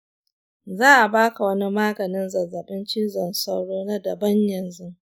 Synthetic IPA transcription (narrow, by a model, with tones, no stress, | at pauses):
zaː˦ʔa˨baː˦ka˨wɐ˦ni˦maː˦ɡɐ˨nɪ˦nzɐ˨zːɐ˨ɓɪ˦nt͡ʃɪ˦zɐ˨nsa˦wɽoː˦na˦dɐ˨bɐ˦ɲjɐ˨nzʊ˦